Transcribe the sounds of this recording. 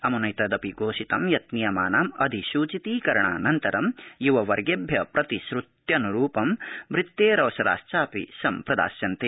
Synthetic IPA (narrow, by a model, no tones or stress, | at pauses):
ɐmunɐjt̪ɐd̪ɐpiɡoːʃit̪ɐmjɐt̪̚nijɐmaːnaːmɐd̪ʱiʃuːt͡ʃit̪iːkɐɾɐɳa̰ːnɐnt̪ɐɾɐmjuʋɐʋɐɾɡebʱjɐpɾɐt̪iʃɾut̪jɐnuɾuːpɐmʋɾɪt̪ːeːɾɐʋɐʃɐɾa̰ːʃt͡ʃaːpḭsɐmpɾɐd̪a̰ːsjɐnt̪e